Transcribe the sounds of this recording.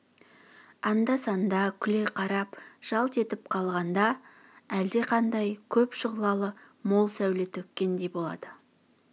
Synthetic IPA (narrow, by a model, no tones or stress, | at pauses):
ɑnd̪ɑsɑnd̪ɑkʲʰʏle̞qʰɑɾɑpʒ̥ɑlˠt̪ʰe̞t̪ɪp̚qʰɑlˠʁɑnd̪ɑ | æld̪e̞qʰɑnd̪ɑjkʲʰɵpʃəʁlˠɑlˠə | mo̞lˠsæwlet̪ʰɵkʲːe̞nd̪e̞jbo̞lˠɑ̰d̪̥ə